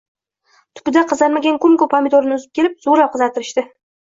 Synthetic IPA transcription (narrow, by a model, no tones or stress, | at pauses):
t̪ʰʊ̥pɪd̪aqʰɨzaɾmaɡʲankʰɵmkʊpʰomʲɪd̪oɾɪnɪʊzɪp̚kʲʰe̞lɪp̚z̥uɾɑp̚qʰɨzɑt̪ʰɪɾɪʃt̪ɪ